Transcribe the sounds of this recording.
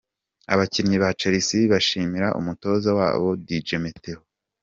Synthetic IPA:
a̰βaciɾɲiβat͡ʃeɾisiβaʃiːmiɾaʔṵmuto̞zawa̰ːβo̞did͡ʒemeteho

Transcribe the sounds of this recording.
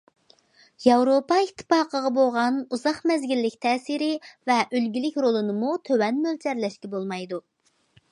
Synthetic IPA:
jɑwɾopɑit̪ʰːɨ̥pɑːqəʁɑboʁɑnuzɑχmɛzɡʲilːɪkʲt̪ʰɛːsiɾɪvɛʔølɡʲilɪkʲɾolˠɨnɨmut̪ʰøwɛnmølt͡ʃʰɛɾlɛʃkʲɛbolˠmɑjd̪u

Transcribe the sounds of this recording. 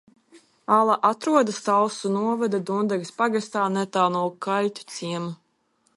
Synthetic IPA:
alˠaʔat̪ɾuɔd̪ast̪alsunuɔvad̪ad̪und̪aɡspaɡast̪aːnɛt̪alˠnuɔkʰalʲt̪ʲu̥t̪siɛmu

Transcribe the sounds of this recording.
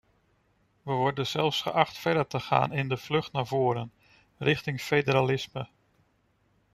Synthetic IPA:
ʋəʋɔɹdənzɛlˠfsχə̰ʔɑχtfɛɹdəɹtəχa̰ːnɪndəv̥lɵχtnaːvʊːɾən | rʔɪχtɪŋfedəɾalɪsmə

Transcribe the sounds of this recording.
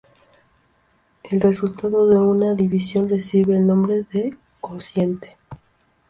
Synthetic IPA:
e̞lre̞sult̪aðo̞ðeunaðiβisjo̞nre̞siβe̞ːlnõ̞mbɾe̞ðe | konsje̞nt̪e̥

